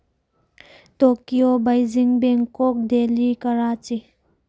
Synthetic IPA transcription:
t̪okiobajziŋbeŋkok̚d̪elikaɾat͡ɕi

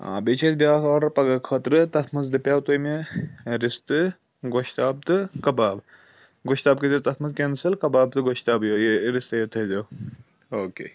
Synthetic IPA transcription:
a̰ːbet͡ʃʰesbʲaakaːɽɐɾpɐɡɐkʰət̪ɾɨt̪ɐt̪ʰmɐzd̪ɨpʲjaːwt̪ojmeɾist̪ɨ | ɡoʃt̪aːb̚t̪ɨkɐbaːb | ɡoʃt̪aːb̚kizɐt̪ɐt̪ʰmɐzkʲensɐlkɐbaːb̚t̪ɨɡoʃt̪aːbjojeɾist̪ɐjot̪ʰɐzo | oːkḛː

